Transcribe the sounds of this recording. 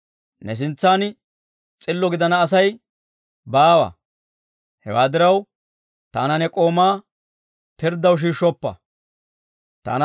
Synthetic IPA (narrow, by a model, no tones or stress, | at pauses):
nɛs̬ɪnt͡sːaːn | t͡sʼɪlːɔɡɪd̪ɐnɐːs̬ɐj | baːwɐ̰ | hɛ̰waːd̪ɪɾɐw | t̪a̰ːnɐnɛkʼo̞ːmaː | pɪɾd̪ɐwʃ̬iːʃːɔpːɐ̰ | t̪a̰ːn